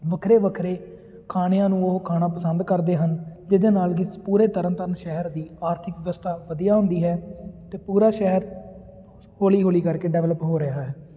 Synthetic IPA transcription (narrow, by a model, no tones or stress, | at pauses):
ʋəkʰɾeːʋəkʰɾeː | kʰaːɽejãːnũːoɦkʰaːɽaːpəsənd̪kəɾd̪eːɦənd͡ʒɪd̪eːnaːlɡipuːɾeːt̪əɾənt̪əɾənʃɛɦəɾd̪iːaːɾt̪ʰɪkʋɪʋəst̪ʰaːʋəd̪ijaːɦʊ̃nd̪iːɦɛːt̪eːpuːɾaːʃɛɦəɾ | hoːliːɦoːliːkəɾkeːɖɛːʋləpɦoːɾɪɦaːɦɛː